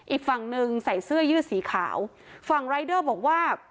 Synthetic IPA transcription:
ʔiː˨˩k̚fa˨˩ŋnɯ˧ŋsa˨˩jsɯ˥˩ɐjɯː˥˩siː˩˦kʰa̰ː˩˦w | fa˨˩ŋɾa˧˥jdɤː˥˩bɔː˨˩k̚waː˥˩

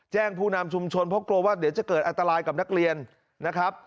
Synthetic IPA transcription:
t͡ɕɛː˥˩ŋpʰuː˥˩na˧mt͡ɕʰu˧mt͡ɕʰo˧npʰɾɔ˦˥klo˧waː˥˩d̪i˩˦wt͡ɕa˨˩kɤː˨˩ʔa˧nt̪a˧ɾaː˧jka˨˩p̚na˦˥k̚ɾi˧ənː | a˦˥kʰɾa˦˥p̚

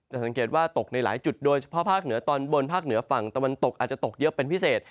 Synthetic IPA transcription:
t͡ɕa˨˩ʔsa˩˦ŋkeː˨˩t̪̚waː˥˩t̪o˨˩k̚na˧jla̰ː˩˦jt͡ɕu˨˩t̪̚doː˧jt͡ɕʰḁ˦pʰɔ˦˥pʰaː˥˩k̚nɯ˨˩˦ɐt̪ɔː˧nbo˧npʰaː˥˩k̚nɯ˨˩˦ɐfa˨˩ŋt̪a˧wa˧nt̪o˨˩k̚ʔaː˨˩t̪̚t͡ɕa˨˩t̪o˨˩k̚jɤ˦˥ʔpe˧npʰi˦˥seː˨˩t̪̚

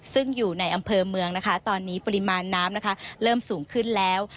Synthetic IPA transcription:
sɯ˥˩ŋjuː˨˩na˧jʔa˧mpʰɤː˧mɯ˧əŋna˦˥kʰa˦˥t̪ɔː˧nːiː˦˥pa˧ɾi˦˥maː˧nːaː˦˥mna˦˥kʰa˦˥ɾɤː˥˩msuː˩˦ŋkʰɯ˥˩nlɛː˦˥w

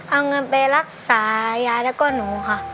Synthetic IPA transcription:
ʔa˧wŋɤ˧npa˧ɾa˦˩k̚saː˩˦jaː˧lɛ˦˧˩kɔː˥˩nuː˩˦kʰa˧˩

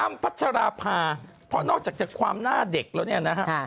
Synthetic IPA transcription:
ʔa˧mpʰa˦˥t̪̚t͡ɕʰa˧ɾaː˧pʰaː˧ | pʰɔ˦˥nɔː˥˩k̚t͡ɕaː˨˩k̚t͡ɕi˦˩kʰwa̰ː˧mnaː˥˩de˨˩k̚laː˦˥wni˥˩ɐna˦˥kʰa˦˥˧

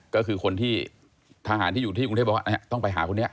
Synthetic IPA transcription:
kɔː˥˩kʰɯː˧kʰo˧nt̪ʰiː˥˩ | t̪ʰa˧aː˨˦nʰiː˥˩˨uː˨˩iː˥˩˨u˧t̪eː˥˩ba̰˧˥˧t̪ɔ˥˩ŋpa˧jɦaː˩˦kʰo˧nː˦˥ɐʔ

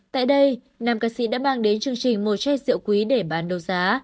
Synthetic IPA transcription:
t̪a̰ː˧˨jɗə˧j | naː˨˩mkaː˧sḭ˧˥ɗa̰ː˧˥maː˧ŋɗe˨˦nt͡ɕɨ˨˧˩əŋt͡ɕï˨˩ŋ̟mo˨˩t̚t͡ɕɛ˧zɨ̰˧˨wkwi˨˦ɗe˧˩ɓaː˨˦nɗə˨˧˩wzaː˨˦

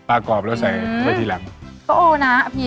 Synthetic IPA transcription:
pa˧kɔː˨˩p̚lɛ˦˥wsa˨˩jt̪ʰaː˧˩t̪ʰiː˧˨la˨˩˦ŋkɔ˧˥ʔoː˧na˦˥˧pʰiː˧

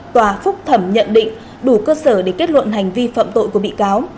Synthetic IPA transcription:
t̪waː˨˩fʊ˦˥k͡p̚t̪ʰə˧˩mɲə̰˧˨nɗḭ̈˧˨ŋ̟ | ɗu˧˩kəː˧səː˧˩ɗe˧˩ke˦˥t̚lwə̰˧˨nɦa˨˩jŋ̟vi˧fa̰ː˧˨mt̪o̰˧˨jku˧˩əɓḭ˧˨kaː˨˦w

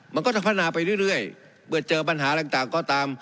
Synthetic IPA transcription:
ma˧nkɔː˥˩t͡ɕa˧˩pʰa˥˩naː˧pa˧jɾɯ˥˩˨jɾɯ˥˩əj | pɯ˧˩ɐt͡ɕɤː˧p̬a˧nɦaː˩˦˥t̪a˨˩ŋt̪aː˨˩ŋkɔː˧˩t̪aː˧m

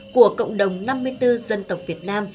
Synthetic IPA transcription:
ku˧˩əkə̰˧˨wŋ͡mɗə˨˩wŋ͡mna˧mːɨ˧əjt̪ɨ˧zə˧nt̪ə˨˩wk͡p̚vi˨˩ət̚naː˧m

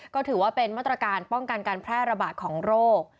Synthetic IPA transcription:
kɔː˥˩t̪ʰɯː˩˦waː˥˩pe˧nmaː˥˩t̪ːɾa˧kaː˧npɔ˥˩ŋka˧nkaː˧npʰɾɛː˥˩ɾa˧baː˨˩t̪̚kʰɔː˩˦ŋɾoː˥˩k̚

